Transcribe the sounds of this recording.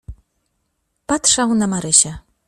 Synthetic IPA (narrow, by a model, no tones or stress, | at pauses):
pat̪ʂawnamaɾɘɕɛ